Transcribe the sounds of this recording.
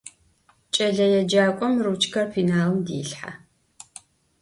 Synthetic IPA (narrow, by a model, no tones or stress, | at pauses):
t͡ʃʼɐɮɐjɛd͡ʒaːkʷʼɔmrut͡ʃʰʼkʰɐrfiːnaːlmdḭːɬħa̰